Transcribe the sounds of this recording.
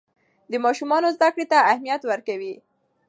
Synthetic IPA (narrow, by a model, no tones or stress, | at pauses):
d̪əmɑʃumɑnozd̪akɽet̪aahmijat̪wəɾkawi